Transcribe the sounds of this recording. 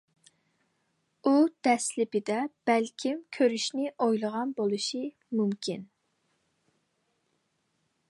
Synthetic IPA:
ud̪̥ɛslɪpɪd̪ɛb̥ɛlkʲʰimkʲʰøɾyʃnɪʔojlˠəʁɑnbolˠuʃi | mumkʲʰin

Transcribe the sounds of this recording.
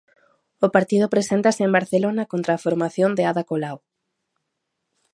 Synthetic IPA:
ʊpaɾt̪iðʊpɾesent̪asɪembaɾθelonakont̪ɾaːfoɾmaθjond̪eaðakolaw

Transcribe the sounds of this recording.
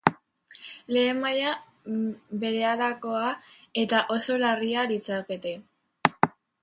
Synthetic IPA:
le̞ːmaja | be̞ɾe̞alako̞ae̞t̪aʔo̞so̞larialit͡sake̞t̪e̞

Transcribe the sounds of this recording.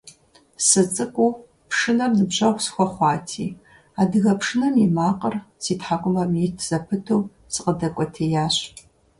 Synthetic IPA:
sɨt͡sʼɨkʷʼuː | pʂɨnɐmnɨbʑɐʁʷsxʷɔχʷɑːtʰiː | aːdɨɣɐpʂɨnɐmjimaːqʼərsiːtħakʷʼʊmɐmjitʰz̥ɐpʰɨtʰow | sɨqʼədɐkʷʼɔtʰeːjaːɕ

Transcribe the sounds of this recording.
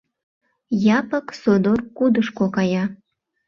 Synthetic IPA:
jɑpəksod̪orkud̪əʃkokɑjɑ

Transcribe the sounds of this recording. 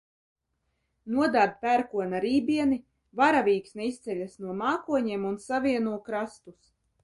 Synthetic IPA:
nuɔd̪aːd̪̚pæɾkuɔnaɾiːbʲiɛni | vaɾavʲiːksnɛist̪sɛʎʲasnuɔmaːkuɔɲiɛmunsaviɛnuɔkɾast̪us

